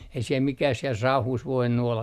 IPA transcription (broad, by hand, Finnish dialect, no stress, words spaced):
ei siel mikæh siel sɑuhuːs ʋoinːu olːɑ